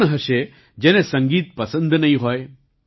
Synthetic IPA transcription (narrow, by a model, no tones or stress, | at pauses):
ñɦəʃe | d͡ʒeːnẽsɐ̃ŋɡiːt̪̚pɐsə̃nd̪ʱnɐĩɦoːe